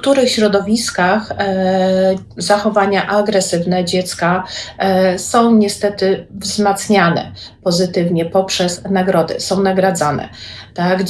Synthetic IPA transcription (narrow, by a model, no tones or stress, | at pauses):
t̪uɾɘxɕɾɔd̪ɔvʲiskax | zaxɔvaɲaʔaɡɾɛsɘvnɛd͡ʑɛt̪ska | sɔ̃w̃ɲɛst̪ɛt̪ɘvzmat̪sɲanɛ̰pɔzɘt̪ɘvɲɛpɔpʂɛsnaɡɾɔd̪ɘ̰sɔ̃w̃naɡɾad̪zanɛ̰t̪aɡ